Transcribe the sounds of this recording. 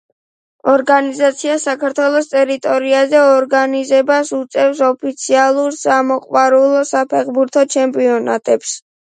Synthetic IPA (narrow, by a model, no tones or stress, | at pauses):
ɔɾɡanizat̪sʰiasakʰaɾt̪ʰwɛlˠɔst̪ʼɛɾit̪ʼɔɾiazɛɔɾɡanizɛbasut̪sʼɛvsɔpʰit̪sʰialˠuɾsamɔqʼwaɾulˠɔsapʰɛχbuɾt̪ʰɔt͡ʃʰɛmpʼiɔna̰t̪ʼɛps